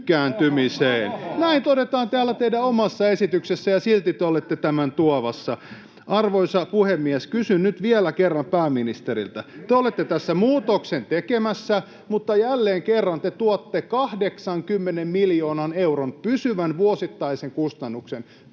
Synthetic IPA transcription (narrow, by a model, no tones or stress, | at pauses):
kæːnt̪ymiseːnnæint̪odet̪ɑːnt̪eæːlːæt̪eidæomɑsːɑesit̪yksesːæjɑsilt̪it̪eolet̪ːet̪æmænt̪uɑʋɑsːɑ | ʔɑrʋoisɑpuhemːiæskysynnyt̪ʋielækerːɑmpæːmːinist̪eɾḭlt̪æt̪eolet̪ːet̪æsːæmuːt̪oksent̪ekemæsːæ | mut̪ːɑjælːeːŋkerːɑnt̪et̪uɑt̪ːekɑhdeksɑŋkymːenemmiljoːnɑnewronpysyʋænʋuosit̪ːɑiseŋkust̪ɑnːuksen